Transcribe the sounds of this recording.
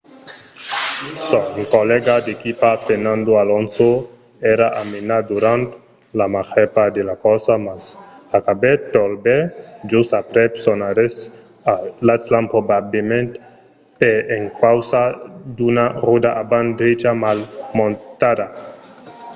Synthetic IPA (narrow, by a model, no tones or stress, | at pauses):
soŋkolɛɡad̪ekipafeɾnãnd̪oalonso | ɛɾaʔamenad̪uɾant̪ | lamaχɛpad̪elakɔsamasakabet̪olbed͡ʒusapɾɛpsonaɾes | alaslanpɾobablemẽnt̪ | peeŋkawsad̪unarud̪aʔaband̪ɾed͡ʒamalmõnt̪ad̪a